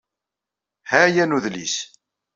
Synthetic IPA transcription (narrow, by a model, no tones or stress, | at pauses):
hæjænuðlḭs